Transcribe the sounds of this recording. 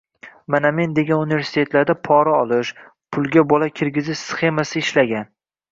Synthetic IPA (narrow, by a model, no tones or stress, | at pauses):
maname̞nd̪e̞ɡʲanunive̞ɾsɪ̥t̪ʰe̞t̪laɾd̪apʰɒɾaɒlˠɪʃ | pʰʊlˠɡʲabɒlakʲʰɪɾɡʲɪzɪʃsχe̞masɪːʃlaɡʲan